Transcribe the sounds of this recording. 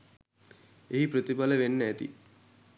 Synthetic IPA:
eɦipɾət̪ibaləʋenːəæt̪ḭ

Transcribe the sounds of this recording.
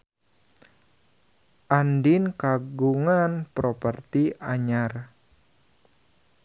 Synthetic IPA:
ʔandɪnkaɡuŋanpɾopərt̪iaɲar

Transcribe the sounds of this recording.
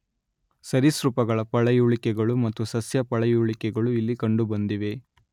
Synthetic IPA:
sɐɾisɾupɐɡɐɭɐpɐɭɐjuːɭikɛɡɐɭumɐt̪ːusɐsjɐpɐɭɐjuːɭikɛɡɐɭuilːikɐɳɖubɐnd̪iʋe̞

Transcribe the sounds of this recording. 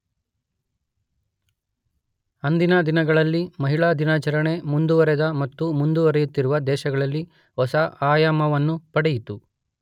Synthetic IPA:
ɐnd̪inɐd̪inɐɡɐɭɐlːimɐɦiɭad̪inat͡ʃɐɾɐɳe̞mund̪uʋɐɾɛd̪ɐmɐt̪ːumund̪uʋɐɾɛjut̪ːiɾuʋɐd̪ɛːʃɐɡɐɭɐlːi | ɦɔsɐaːjaːmɐʋɐnːupɐɽejit̪u

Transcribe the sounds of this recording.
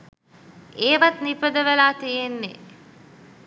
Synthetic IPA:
eːʋat̪nipəd̪əʋəlaːt̪ijenːḛ

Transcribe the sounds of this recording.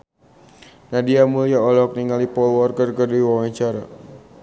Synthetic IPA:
nadiamuliaɔlɛɦɔk̚niŋɡalipɔlwɔrkərkərdiwawaɲt͡ʃaɾa

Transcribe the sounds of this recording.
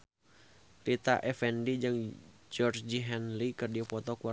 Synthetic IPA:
rit̪a̰ʔɛfɛndid͡ʒɨŋd͡ʒɔrd͡ʒiɦɛnlikɨrdiɔpɔt̪ɔkua

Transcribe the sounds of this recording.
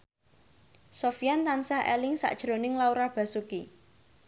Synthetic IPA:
sofijant̪ansahɛ̰lɪŋsa̰ʔd̥ʒ̥ɾo̤nɪŋlauɾab̥a̤suki

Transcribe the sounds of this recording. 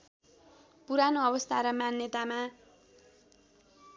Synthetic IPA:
puɾanoʌbʌst̪ʰaɾʌmanjʌt̪ama

